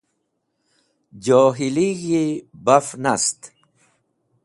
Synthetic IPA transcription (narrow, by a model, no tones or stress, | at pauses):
d͡ʑoːɦiliɣibafnast̪